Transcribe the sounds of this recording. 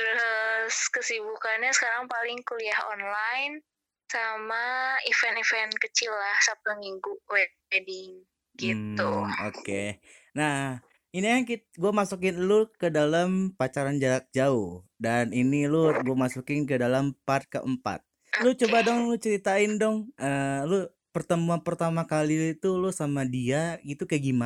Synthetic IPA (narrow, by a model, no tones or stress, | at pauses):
t̪əɾʊskəsibukanɲasə̥kaɾaŋpalɪŋkuliahɔ̰nlajn | samaifɛnifɛnkət͡ʃilːahsap̚t̪umiŋɡuʔwɛ | dɪŋ | ɡit̪uoke | nah | inijaŋki | ɡuamasuk̬ɪnlukədalampat͡ʃaɾand͡ʒalak̚d͡ʒaʊhdaninilʊɡuamasukɪnkədalampat̪̚kə̰ʔəmpa̰t̪̚ | lʊt͡ʃobadɔŋlʊt͡ʃəɾit̪aɪndɔŋʔəlʊ | pərt̪əmuanpərt̪amakalit̪ulʊsamadiaɡit̪ukaɡima